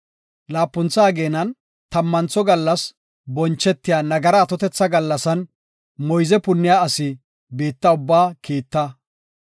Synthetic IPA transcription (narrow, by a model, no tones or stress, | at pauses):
laːpːʊnt͡saːɡeːnɐn | t̪ɐmːɐnt͡sːɔɡɐlːɐs | bɔnt͡ʃːɛt̪ːɪjaːnɐɡɐɾɐːt̪ɔt̪ɛt͡sːɐɡɐlːɐsɐn | mɔjzɛpʊnːɪjaːɐsɪ | biːt̪ːɐʊbːaːkiːt̪ːɐ